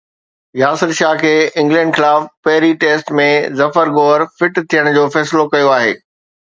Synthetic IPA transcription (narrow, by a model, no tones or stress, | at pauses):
jaːsɪɾʃaːɦkʰeːɪ̃ŋɡlɛ̃ːɳɖxɪlaːfpɐɦɪɾiʈeːsʈmẽzɐfəɾɡoːɾfɪʈt̪ʰijəɽ̃d͡ʑoːfɛːsɪlokɐjoaːɦḛː